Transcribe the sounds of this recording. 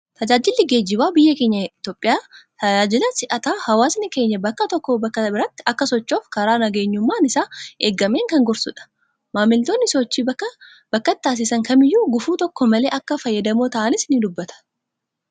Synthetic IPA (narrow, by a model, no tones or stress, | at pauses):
t̪ɐd͡ʒaːd͡ʒɪlːɪɡe̞ːd͡ʒɪbaːbɪjːɐke̞ːɲːɐɪt̪o̞ːpʼːɪjaːt̪ɐd͡ʒaːd͡ʒɪlɐsɪʔɐt̪aːhɐwaːsnɪke̞ːɲːɐbɐkːɐt̪ɔkːobɐkːɐbɪɾɐt̪ːɪɐkːɐsɔt͡ʃːo̞ːfkɐɾaːnɐɡe̞ːɲːʊmːaːnɪsaːeːɡːɐmeːŋkɐŋɡɔɾsʊ̰ᶑɐ̥ | maːmːɪlt̪o̞ːnːɪsɔt͡ʃːiː | b̥ɐkːɐt̪t̪aːs̬ɪsɐŋkɐmɪjːuːɡʊfuːt̪ɔkːɔmɐle̞ːʔɐkːɐfɐjːɐd̪ɐmoːt̪ɐʔɐnɪsnɪd̪ʊbːɐt̪ʰɐ̥